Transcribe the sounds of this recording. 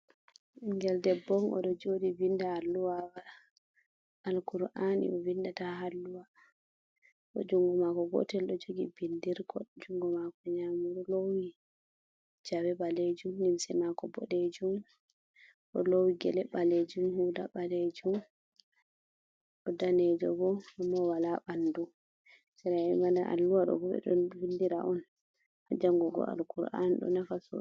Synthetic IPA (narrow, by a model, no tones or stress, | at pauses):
ŋɡɛldɛbɔŋʔɔ̰ɗɔd͡ʒodivindahalːuwawa | alkuɾʔanḭɔvindataɦalːuwa | ɔ̰d͡ʒuŋɡɔmakɔɡɔ̰tɛlɗɔd͡ʒoɡibindiɾkʰɔd͡ʒuŋɡɔmakɔɲamuɾɔlowi | d͡ʒawɛbaled͡ʒumnimsɛmakɔbɔ̰ɗed͡ʒum | ʔɔlowiɡɛ̰lɛbaled͡ʒumhudabaled͡ʒum | ɗɔdanɛd͡ʒɔbɔamːɔwalaɓandu | sɛɾaɛmandaʔa̰lːuwaɗɔ̰bɔɓɛ̰ɗɔnbindiɾa̰ʔɔn | ʔad͡ʒaŋɡɔɡɔ̰a̰lkuɾʔa̰nɗɔ̰nafasɔ̰